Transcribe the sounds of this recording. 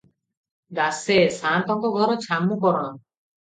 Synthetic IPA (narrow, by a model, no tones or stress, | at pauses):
d̪asesãnt̪ɔŋkɔɡʱɔɾɔt͡ʃʰamːukɔɾɔn